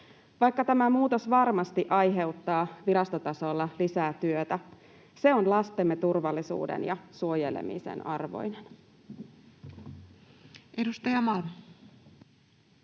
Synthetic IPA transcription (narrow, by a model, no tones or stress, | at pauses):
ʋɑjkːɑt̪æmæmuːt̪o̞sʋɑrmɑst̪iʔɑjɦe̞uwt̪ːɑːʋiɾɑst̪ot̪ɑso̞lːɑlisæːt̪yøt̪æ | se̞o̞nlɑst̪emːet̪urʋɑlːisṵːdḛnjɑsuo̞jelḛmḭsḛnɑrʋo̰jnen | edust̪ɑjɑmɑlm